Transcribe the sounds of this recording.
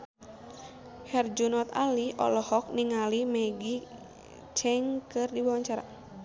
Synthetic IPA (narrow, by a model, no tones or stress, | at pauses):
hɛrd͡ʒunɔt̪a̰liʔɔ̰lɔhɔk̚niŋalimɛɡi | t͡ʃɛŋkɨrdibwawaɲt͡ʃaɾa̰